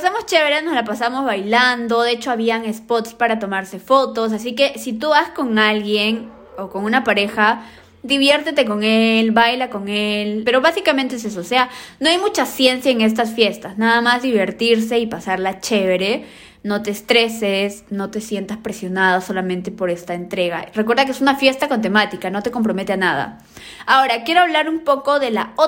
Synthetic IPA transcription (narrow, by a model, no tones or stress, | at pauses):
pasamo̞st͡ʃe̞βeɾeno̞zlapasaβmo̞zβajland̪o̞ðet͡ʃo̞aβiaŋe̞spo̞t̪spaɾat̪o̞maɾse̞fo̞t̪o̞s̬asike̞sit̪uβasko̞ŋalɣjen | o̞ko̞ŋunapaɾe̞xa | d̪iβje̞ɾt̪e̞t̪e̞k̬o̞ŋelbajlako̞ŋelpe̞ɾo̞βasikamẽnt̪ees̬es̬oːseano̞ajmut͡ʃasje̞nsjaeŋe̞s̬t̪asfje̞st̪asnaðamazðiβe̞ɾt̪iɾse̞ipasaɾlat͡ʃe̞βeɾe | no̞t̪e̞ːst̪ɾe̞sesno̞t̪esje̞nt̪aspɾe̞sjo̞nað̞aso̞lamẽ̞nt̪e̞po̞ɾe̞st̪aent̪ɾe̞ɣa̰rekweɾðakeesunafje̞st̪ako̞nt̪̬e̞mat̪ikano̞t̪e̞ko̞mpɾo̞me̞t̪eanaða̰ | ao̞ɾakje̞ɾo̞aβlaɾumpo̞ko̞ðe̞la̰o